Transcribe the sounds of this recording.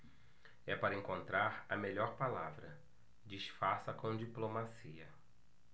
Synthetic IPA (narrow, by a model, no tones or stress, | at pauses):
ɛpaɾɐẽŋkõnt̪ɾaɾɐmeʎɔɾpalavɾɐ | d͡ʒiʃfaɾsɐkõd͡ʒiplomasiɐ